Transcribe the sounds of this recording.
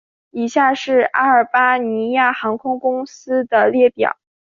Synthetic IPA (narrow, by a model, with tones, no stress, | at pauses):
i˨˩ɕja˥˧ʂɻ̩˥˩a̰˥ə˞˨˩pa˥ni˧˥ja˥˩xɑ˧˥ŋkʰʊ˥ŋkʊ˥ŋsɹ̩˥d̪ə˨ljɛ˥˩pjɑ̰˨˩˦ʊ